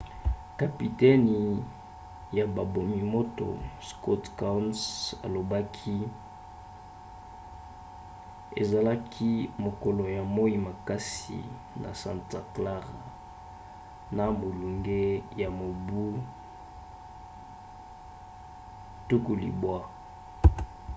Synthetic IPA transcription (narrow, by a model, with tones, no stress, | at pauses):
ka˨pi˨tɛ˦n˨ | ja˨ba˨bo˨mi˨mo˦to̰˨sko˦tka˦nsa̰˨lo˨ba˦kʰi˦ | ḛ˨za˨la˦kʰi˦mo˨ko˨lo˨ja˨mo˦i˦ma˨ka˦sḭ˨ | nʔa̰˨sã̰˦˨nta˨kla˦ʁa̰˨ | na˨mo˨lu˨ŋɡe˦ja˨mo˨bu˦ | tu˦ku˨lḭ˨bwa˦